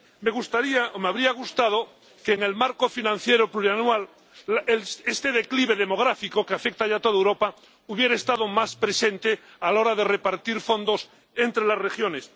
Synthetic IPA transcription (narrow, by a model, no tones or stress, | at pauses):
me̞ɣ̞ust̪aɾiaʔomeaβɾiaɣ̞ust̪að̞o̞ | keːŋe̞lmaɾkofinãn̟θje̞ɾopluɾjanwal | est̪e̞ðe̞kliβ̞e̞ðe̞mo̞ɣ̞ɾafiko̞keafek̚t̪aʝat̪o̞ðaewɾo̞pa | uβje̞ɾest̪aðo̞maspɾe̞se̞nt̪e̞ | alao̞ɾaðe̞re̞paɾt̪iɾfo̞nd̪o̞s | ent̪ɾelasre̞xjo̞ne̞s